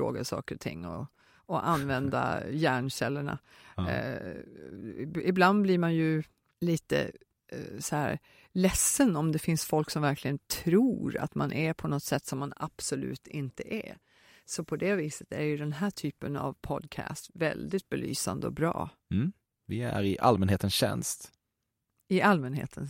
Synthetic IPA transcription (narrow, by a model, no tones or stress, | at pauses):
ɾo̰ːɡasɑ̰ːkəɾɔt̪ʰɪ̰ŋːɔ̰ | ɔʔanvɛnd̪a̰jæːɳɕɛlːəɳa̰ | ɪbland̪̚bliːɾmanjɵ | liːt̪ə̰ | sɔhæːɾ | lɛsːənɔmd̪ɛfɪnsfɔlksɔmvæɾkʰlɪɡənt̪ʰɾuːɾa̰t̪manʔɛpʰɔnɔt̪sɛt̪ːsɔmːanab̥sɔlʉ̰ːt̪ɪnt̪əʔɛ̰ | sɔpʰɔd̪ɛviːsət̪æɾjɵd̪ɛnɦæːʈʰyːpəna̰vpʰɔd̪kʰæ̰ːst̪vɛld̪ɪt̪̚bɛly̰ːsa̰nd̪əɔ̰bɾɑ̰ː | vɪæ̰ɾɪʔalmɛnheːt̪ənsɕɛ̰nst̪ | ɪalmɛnɦḛːt̪ʰən